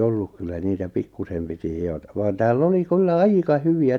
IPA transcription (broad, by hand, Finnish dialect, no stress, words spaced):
olːuk kylːæ niːtæ pikːusem piti hiotɑ̥ ʋɑːn tæːlː oli kylːæ ɑikɑ hyʋiæ